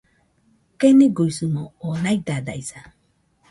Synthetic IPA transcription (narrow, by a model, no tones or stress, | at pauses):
keniɡuisumoonaid̪ad̪a̰jsa